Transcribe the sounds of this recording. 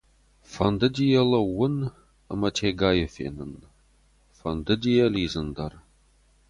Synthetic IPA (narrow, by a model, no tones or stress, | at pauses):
fɐnd̪ɐdʲijɐlɐwʊn | ə̰mɐtʰeɡaːjɐfḛːnɨn | fɐnd̪ɨdʲijɐliːzɨnd̪ɐr